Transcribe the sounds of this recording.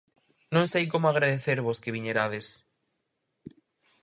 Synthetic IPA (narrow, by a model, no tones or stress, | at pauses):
nõŋsejkomoaɣ̞ɾaðeθeɾβoskeβiɲeɾað̞es